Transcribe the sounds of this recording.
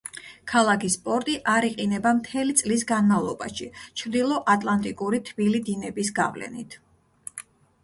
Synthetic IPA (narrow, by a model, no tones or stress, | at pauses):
kʰalˠakʰispʼɔɾt̪ʼiʔaɾiqʼinɛbamt̪ʰɛlit̪sʼlis̬ɡanmavlˠɔba̰ʃit͡ʃʰɾd̪ilˠɔʔat̪ʼlˠant̪ʼikʼuɾit̪ʰbilid̪inɛbisɡa̰vlɛ̰nḭt̪ʰ